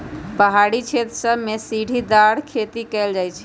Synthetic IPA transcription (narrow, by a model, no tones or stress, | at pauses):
pəɦaɽit͡ʃʰet̪ɾəsəbmesiɽʱid̪aɽkʰet̪ikɛld͡ʒajt͡ʃʰi̥